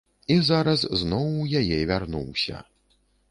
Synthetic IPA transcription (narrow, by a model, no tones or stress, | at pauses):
izaɾɐzznɔwːjajɛvʲarnṵwsʲɐ̰